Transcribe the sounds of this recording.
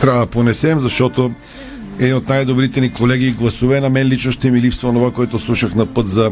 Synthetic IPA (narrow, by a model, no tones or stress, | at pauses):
t̪ɾaɐd̪ɐponɛsɛmzɐʃt̪ɔt̪o | ɛd̪inot̪najd̪obɾit̪ɛnikolɛɡiːɡlˠɐsuvɛnɐmɛnlit͡ʃnoʃt̪ɛmilipst̪voonovakoɛt̪oslˠuʃɐxnɐpət̪zɐ